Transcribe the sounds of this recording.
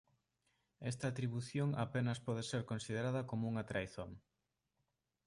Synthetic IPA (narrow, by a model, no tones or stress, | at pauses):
ɛst̪ɐːt̪ɾiβuθjoŋa̰penɐspɔð̞eseɾkonsið̞eɾaðɐkomouŋɐt̪ɾajθoŋ